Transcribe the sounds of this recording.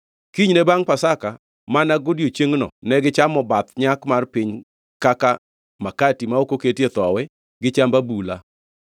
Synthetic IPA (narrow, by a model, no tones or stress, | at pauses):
kiɲnɛbaŋpasaka | manaɡodjot͡ʃeŋnɔ̰nɛɡɪt͡ʃamɔbat̪ɲakmarpɪɲ | kaka | makatimaokoketjet̪ɔwɛ | ɡɪt͡ʃambabula̰